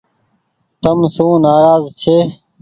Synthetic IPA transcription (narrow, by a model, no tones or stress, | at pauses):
t̪əmsũːnaːɾaːzt͡ɕʰeː